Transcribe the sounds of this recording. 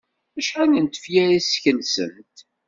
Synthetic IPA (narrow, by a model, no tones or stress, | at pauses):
æʃħanənt̪ə̥fjæɾisçənsə̰nt̪